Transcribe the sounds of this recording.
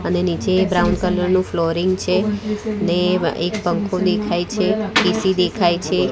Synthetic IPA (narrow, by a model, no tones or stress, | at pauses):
ənenid͡ʒebɾaundkələɾnũfloɾɪŋɡt͡ʃʰeəneḛkpə̃ŋkʰod̪ekʰajt͡ʃʰepisid̪ekʰajt͡ʃʰe